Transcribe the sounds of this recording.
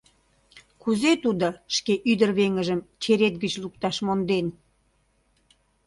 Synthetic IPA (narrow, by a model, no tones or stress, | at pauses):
kuzet̪ud̪oʃkeʔyd̪ərβeŋəʒəmt͡ɕeɾet̪̚ɡət͡ɕluk̚t̪ɑʃmond̪en